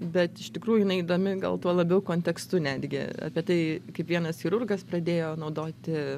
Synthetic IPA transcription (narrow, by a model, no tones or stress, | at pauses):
bʲɛt̪ɪʃt̪ʲɪkɾuːjʊjɪnɐɪid̪oːmʲɪɡɐ̰lˠt̪uɔlˠɐbʲɛʊkoːnʲtʲɛkst̪ʊnʲæːd̪ʲɡʲɪ̰ɐ̰pʲiɛt̪ɐɪkɐɪpʋʲiɛnɐsxʲɪɾʊrɡɐspɾɐd̪ʲeːjoːnɐʊd̪oːt̪ʲɪ